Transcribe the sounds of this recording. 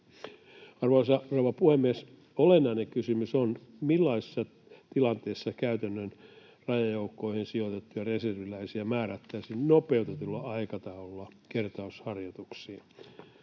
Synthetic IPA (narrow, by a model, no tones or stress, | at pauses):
ɑrʋoɑsɑrowʋɑpuhemːies | olenːɑineŋkysymysonmilːɑise̥sːɑ | t̪ilɑnt̪eːsːɑkæyt̪ænːøn | rɑjɑjoukːoihensiot̪et̪ːujɑreserʋilæisiæmæːræt̪ːæisinnopeut̪et̪ulːɑɑikɑt̪ɑolːɑkert̪ɑushɑrjot̪uksiː